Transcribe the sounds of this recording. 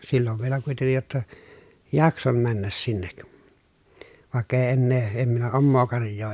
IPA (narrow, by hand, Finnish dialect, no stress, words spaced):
silːoʋ ʋielæ kuitenːij jotːɑ jɑkson mænːæs sinːek ʋɑˑekː eˑi enːeː em minæ omːoː kɑrjˑoː